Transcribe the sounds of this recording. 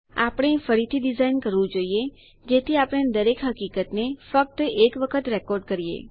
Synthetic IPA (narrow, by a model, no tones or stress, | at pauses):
a̰pɽ̃efəɾit̪ʰiɖizainkəɾʋũd͡ʒoije | d͡ʒet̪ʰiapɽ̃ed̪əɾekɦəkikət̪nefək̚t̪ekʋəkʰət̪ɾɛkɔɾɖkəɾijḛ